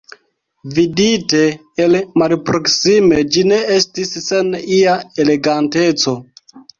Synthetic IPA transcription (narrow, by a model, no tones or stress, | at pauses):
vidite̞ː | lmalpɾo̞ksime̞d͡ʒine̞estisːe̞niaele̞ɡante̞t͡so̞